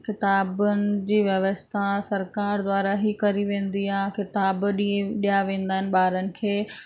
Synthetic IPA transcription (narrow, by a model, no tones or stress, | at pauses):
kɪt̪aːbʊnɪ̆d͡ʑiːʋjɐʋəst̪ʰasɐɾkaːɾd̪waːɾaɦikɐɾiʋẽːn̆d̪iaːɦkɪt̪aːbɗiẽɗijaʋẽːn̆d̪aːɦɪnɪ̆ɓaːɾənɪ̆kʰeː